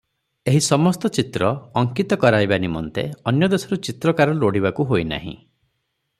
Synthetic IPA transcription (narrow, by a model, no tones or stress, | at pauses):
eɦisɔmɔst̪ɔt͡ʃit̪ɾɔɔŋkit̪ɔkɔɾajbanimɔ̰nt̪ḛɔnjɔd̪esɔɾut͡ʃit̪ɾɔkaɾɔloɽibakuɦoina̰ɦḭ̃